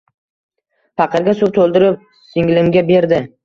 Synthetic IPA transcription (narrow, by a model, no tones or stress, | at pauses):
fɑqɨɾɡʲasʊwt̪ʰolˠd̪ɪɾɪp̚ | sɪŋlɪmɡʲabe̞ɾd̪ɪ